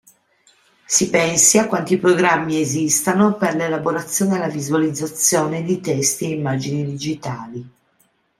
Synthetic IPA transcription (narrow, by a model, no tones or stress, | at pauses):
sipɛnsiakːwant̪ipɾoɡɾamːiezist̪anoperlelaboɾat̪sːjoːnealavizualid̪zːat̪sːjoːned̪it̪ɛst̪ieimːaːd͡ʒinid̪id͡ʒit̪aːli